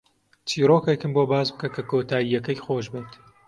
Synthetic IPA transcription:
t͡ʃʰiːɾoːkekɨmboːbaːzbɨkɐkʰɐkʰoːt̪aːijɐkɐjxoːʒbeːt̪

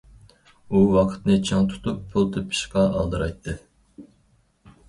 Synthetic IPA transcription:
uwɑqʰə̥t̪nɨt͡ʃʰɑŋt̪ʰu̥t̪upːʰulˠt̪ʰepʰɨ̥ʃqɑɑlˠd̪ɨɾɑjt̪ʰːɨ

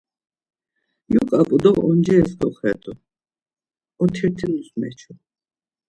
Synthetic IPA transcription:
jukʼapʼud̪ɔʁɔnd͡ʒɛːsk̪ʼɔχhɛt̪ʼu | ɔt̪ʰiɾt̪ʰinusmɛ̰t͡ʃʰu

